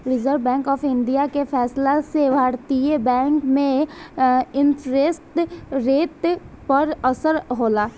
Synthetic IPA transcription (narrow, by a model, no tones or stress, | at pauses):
ɾɪzəɾbɛ̃ːŋkɔːpɪ̃nɖijakefʰɛːslasebʱaːɽt̪iebɛ̃ːŋkmẽ | ɪntɾesʈɾeːt̪ | pəɾəsəɾɦoːlaː